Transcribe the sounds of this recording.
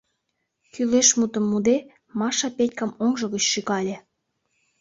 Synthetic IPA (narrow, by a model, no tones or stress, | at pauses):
kyleʃmut̪ə̆mːud̪e | mɑʃɑpetʲkɑmoŋʒɤ̆ɣət͡ɕʃiɣɑlʲe